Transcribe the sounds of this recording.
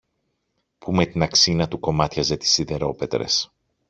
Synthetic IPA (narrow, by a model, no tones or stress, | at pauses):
pume̞t̪inɐksinɐt̪uko̞mɐt̪çɐze̞t̪i̥siðe̞ɾo̞pe̞t̪ɾḛs